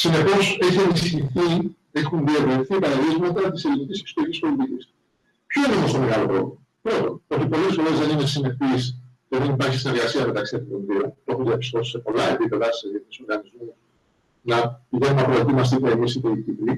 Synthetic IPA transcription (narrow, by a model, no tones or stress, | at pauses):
sine̞po̞se̞çie̞nisçiθi | e̞xunðiɐvleθipɐɾɐlizmɐt̪ɐt̪ise̞linicisekso̥t̪o̞ɾicʲispolit̪icis | pço̞ineo̞mo̞st̪o̞me̞ɣɐlo̞pɾo̞̰vlimopɾo̞t̪o̞̰no̞t̪ipo̞le̞sfo̞ɾe̞zðe̞nine̞sine̞pist̪oðenipɐɾçisine̞ɾɣɐsiɐme̞t̪ɐksiɐft̪ont̪onðiont̪oxunðiɐpi̥st̪o̞si̥se̞po̞lɐe̞pipe̞ðɐt̪iseiθniso̞ɾɣɐnizmus | nɐpiʝe̞nunɐpɾoet̪imɐsit̪eimisit̪eit̪ikli